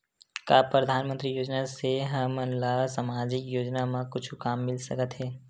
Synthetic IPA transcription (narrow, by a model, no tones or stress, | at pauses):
kaːpɾəd̪ʱaːnmə̃nt̪ɾijoːd͡ʒnaseɦəməlasamaːd͡ʒɪkjoːd͡ʒnamãkʊt͡ʃʰukaːmːɪlsəkət̪ɦɛː